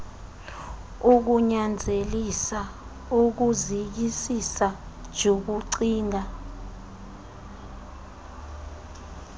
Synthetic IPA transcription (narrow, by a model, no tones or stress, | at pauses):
uk̬uɲand͡zʱelisa | uk̬uzik̬isisḁd͡ʒʱok̬uǀiːŋʱa